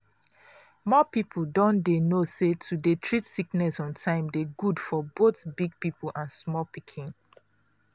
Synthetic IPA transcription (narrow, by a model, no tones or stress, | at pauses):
mɔpipʰudɔ̃ndenosetʰudetʰɹitsiknɛsɔ̃ntʰãɪ̃mdeɡudfɔboθbiɡ̚pipʰl̩ʔãnsmɔlpikʰĩn